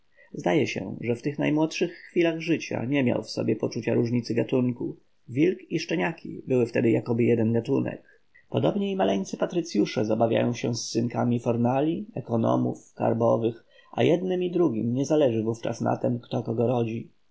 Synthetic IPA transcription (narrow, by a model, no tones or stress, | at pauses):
zd̪ajɛɕɛ̰ʐɛft̪ɘxnajmwɔtʂɘxːfʲilaɣʐɘt͡ɕa̰ɲɛmʲja̰wfsɔ̰bʲjɛpɔt͡ʂut͡ɕa̰ɾuʐɲit̪sɘɡat̪uŋku | vʲilkiʂt͡ʂɛɲakʲḭbɘwɘft̪ɛd̪ɘjakɔbɘjɛd̪ɛnɡat̪unɛ̰k | pɔd̪ɔbɲɛimalɛɲt̪sɘpat̪ɾɘt̪sʲjuʂɛzabavʲja̰jɔ̃w̃ɕɛsːɘŋkamʲifɔɾnalʲiɛkɔnɔ̰mṵfka̰ɾbɔvɘx | ʔa̰jɛd̪nɘmid̪ɾuɡʲimɲɛzalɛʐɘvuft͡ʂa̰sna̰t̪ɛmkt̪ɔkɔɡɔɾɔd͡ʑi